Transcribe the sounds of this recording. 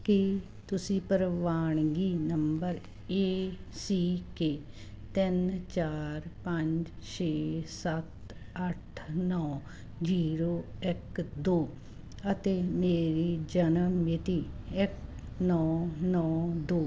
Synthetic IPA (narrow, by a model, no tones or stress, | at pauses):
ki | t̪ʊsĩːpəɾʋaːɳ̃ɡiːnəmbəɾ | eːsiːkeː | t̪ɪnt͡ʃaːɾpə̃ɲd͡ʒ | t͡ʃeːsət̪ | əʈʰnɔː | d͡ʒiːɾoːɪkd̪oː | ət̪eːmeːɾiːd͡ʒənəmɪt̪iːɪk | nɔːnɔːd̪oː